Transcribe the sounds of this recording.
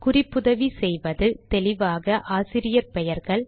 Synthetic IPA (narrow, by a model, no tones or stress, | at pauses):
kʊrɪpːʊðɐʋisɛjʋɐðɯt̪ɛlɪʋaːɣɐʔaːsɪɾɪjɐɾpɛjɐɾɣɐɭ